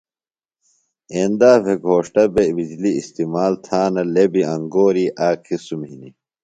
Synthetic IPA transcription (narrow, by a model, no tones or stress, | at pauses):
eːnd̪aːbeɡʱoːʂʈɐbebid͡ʑliːst̪imaːlt̪ʰaːnɐlebiɐŋɡoːɾiʔaːkʰisumɦini